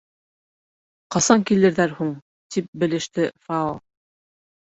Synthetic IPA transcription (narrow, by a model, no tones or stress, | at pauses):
qɑsɑŋkilɘ̆ɾðæɾhuɴ | t̪ʰip̚bɘ̆lɘ̆ʃt̪ɘfɑolˠ